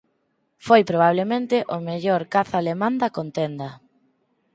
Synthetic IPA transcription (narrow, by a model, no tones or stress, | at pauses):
fojpɾoβaβlemẽnt̪ɪʔʊmeʎoɾkaθaːlemãnd̪ɐkont̪end̪ɐ